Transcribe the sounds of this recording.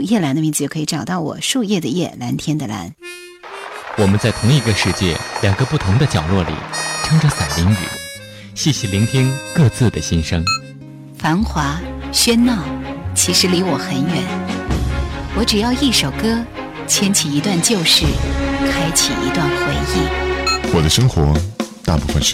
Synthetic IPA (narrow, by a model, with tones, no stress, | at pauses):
jɛ˥˩la˧˥nd̪ə˧mi˧˥t͡sz̩˧jo˥˩kʰːi˧˥ʈ͡ʂɑ˨˩ʊt̪ɑ˥˩ʊwɔ̰˨˩ʂu˥˧jɛ˥˩d̪ə˩jɛ̰˥˩la˧˥nt̪ʰjɛ˥nd̪ə˨la̰˧˥n | wɔ˨˩mə˦nt͡sa˥˩ɪt̪ʰʊ˧˥ŋi˧ɡə˧ʂɻ̩˥˧t͡ɕjɛ̰˥˩ljɑ˨˩ŋɡə˧˦pu˥˩t̪ʰʊ˧˥ŋd̪ə˧t͡ɕjɑ˨˩ʊlwɔ˥˩lḭ˨˩˦ʈ͡ʂʰɤ˥ŋʈ͡ʂə˧sa˨˩li˧˥ŋy̰˨˩˦ | ɕɛ˥˩ɕi˥˩li˧˥ŋt̪ʰi˥ŋkɤ˥˧t͡sɹ̩˥˩d̪ə˩ɕi˥nʂɤ˥ŋ | fa˧˥ŋxwa˧˥ɕɥɛ˥nnɑ˥˩ʊt͡ɕʰi˧˥ʂɻ̩˧˥li˧˥wɔ˨˩xə˧˥nɥɛ˨˩˦n | wɔ˧˥ʈ͡ʂɻ̩˨˩jɑ˥˧ʊi˥˩ʂo˨˩ʊkɤ˥ | t͡ɕʰjɛ˥nt͡ɕʰi˨˩i˧˥t̪wa˥˧nt͡ɕjo˥˧ʊʂɻ̩˥˩kʰa˥ɪt͡ɕʰḭ˨˩ḭ˧˥t̪wa˥˩nxwə˧˥ni˥˩wɔ˨˩d̪ə˦ʂɤ˥ŋxwɔ˧˥t̪a̰˥˧pu˥˩fə̰˨nʂ